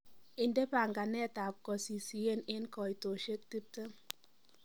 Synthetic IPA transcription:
i˨n˦de˦pa˨ŋɡa˨nɛ˦˨ta˨p̚kɔ˨si˨si˨je˦˨ne˦nkɔ˨i˨to˨ʃe˦k̚ti˦p̚tə˦

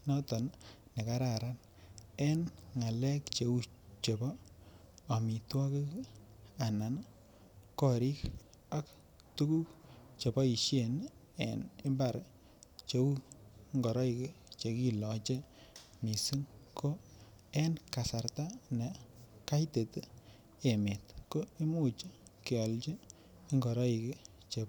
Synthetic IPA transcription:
nɔ˦tɔ˨nne˨ka˦ɾa˨ɾa˦n | e˦nŋa˨lɛ˦kt͡ʃe˨u˦t͡ʃe˨bɔ˦ | a˨mi˨twa˦ki˦ | a˨na˨n | kɔ˨ɾi˦k | a˦k | tu˦ku˦t͡ʃe˨bɔ˦i˨ʃe˨n | ḛ˨ni˦mba˨ɾ | t͡ʃe˨ku˦ŋɡɔ˨ɾɔ˦i˨ke˦t͡ʃe˨ki˦lɔ˨t͡ʃe˦ | mi˨su˦ŋko˦ | e˦nka˨sa˨ɾta˦ne˨ka˦ite˨t | e˨me˨tko˦i˦mu˦t͡ʃ | ke˨ɔ˨lt͡ʃe˦ | i˦ŋɡɔ˨ɾɔ˦i˨ke˦ | t͡ʃe˨

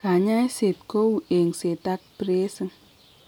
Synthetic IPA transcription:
ka˨ɲa˦jse˨t̚ko˦wu˨e˨ŋse˨ta˦k̚pɾe˦sə˦ŋ

